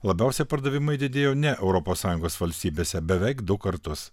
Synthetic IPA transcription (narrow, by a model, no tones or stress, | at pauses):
lˠɐbʲæˑʊsʲɛpɐɾd̪ɐʋʲɪmɐɪd̪ʲɪd̪ʲeːjoːnʲɛʔɛʊɾɔpoːssɑːjʊ̃ŋɡoːsʋɐlʲsʲt̪ʲiːbʲeːsʲɛbʲɛʋʲæɪkd̪ʊkɐɾt̪ʊs